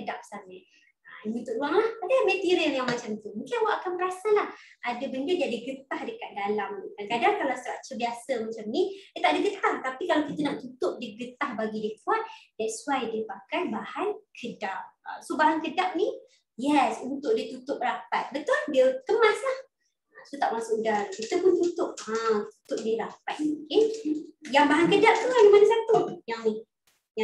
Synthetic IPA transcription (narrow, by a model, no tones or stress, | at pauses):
kədap̚samə | əimit̪ʊʔduaŋlahadəhmət̪iɾialjaŋmat͡ʃamt̪umũkɪnwaʔakanməɾasalahadəbəndədiadəɡət̪ahdəkat̪̚dalamnikakadaŋkalawst̪əɾaʔt͡ʃəbiasəmat͡ʃamnidiət̪aʔadəɡət̪aht̪apikalawkit̪ənaʔ̚t̪ut̪ʊp̚diəɡət̪ahbaɡidiəkuat̪̚dɛt̚suwajdiəpakajbahankʰədap̚ːsobaɦankədap̚ni | jɛsunt̪ʊʔ̚diət̪ut̪ʊp̚əɾapat̪̚bət̪ʊldiəkəmãslah | asot̪aʔmasʊʔdarkit̪əpʊnt̪ut̪ʊp̚at̪u̥t̪ʊʔ̚diɾapat̪̚ke | jaŋbaɦankədap̚t̪uanimanasat̪ujaŋni | a